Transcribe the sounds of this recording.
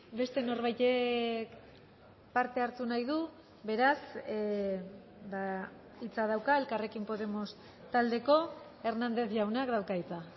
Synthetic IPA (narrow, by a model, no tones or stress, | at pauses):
be̞st̪e̞no̞ɾβajt̪ek | paɾt̪e̞aɾt̪unajðu | βe̞ɾas | ba | it͡sað̞awkae̞lkare̞kimpo̞ðe̞mo̞s | t̪ald̪e̞ko̞ | e̞ɾnand̪e̞θʝawnakd̪awkait͡sa